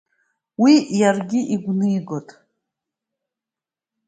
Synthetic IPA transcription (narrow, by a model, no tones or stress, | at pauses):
wijarɡʲiʔiɡʷnɨjɡotʼ